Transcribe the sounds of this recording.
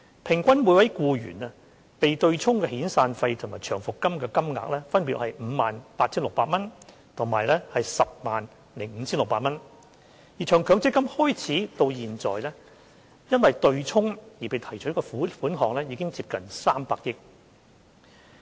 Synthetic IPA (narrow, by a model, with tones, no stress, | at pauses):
pʰɪ˨˩ŋkʷɐ˥nmuː˨˧jwɐ˨˥jkuː˧jy̰ː˨˩na˧ | pe˨jt̪ɵ˧ɥt͡sʰʊ˥ŋkɛ˧hiː˨˥nsaː˧nfɐ˧jt̪ʰʊ˨˩ŋmaː˨jt͡ʃʰœː˨˩ŋfʊ˨kːɐ˥mkɛː˧kɐ˥mŋa̰ː˨k̚lɛː˥fɐ˥npiː˧t̚hɐ˨jm̩ː˨˧maː˨npaː˧t̚t͡sʰiː˥nlʊ˨k̚paː˧t̚mɐ˥n | t̪ʰʊ˨˩ŋmaː˨˩jlɛː˥hɐ˨jsɐ˨p̚maː˨n | lɪ˨˩ŋm̩ː˨˧t͡sʰiː˥nlʊ˨k̚paː˧t̚mɐ˥n | jiː˨˩t͡ʃʰœː˨˩ŋkʰœː˨˥ŋt͡sɪ˥kːɐ˥mhɔː˥jt͡sʰiː˨˥t̪o˧wjiː˨nt͡sɔ̰ː˨jlɛː˥ | jɐ˥nwɐ˨jt̪ɵ˧ɥt͡sʰʊ˥ŋjiː˨pe˨jt̪ʰɐ˨˩jt͡ʃʰɵ˨˥kɔː˧fuː˨˥fuː˨˥nɦɔː˨ŋlɛː˥jiː˧kɪ˥ŋt͡siː˧p̚kɐ˨nsaː˥mpaː˧k̚jɪ˥k̚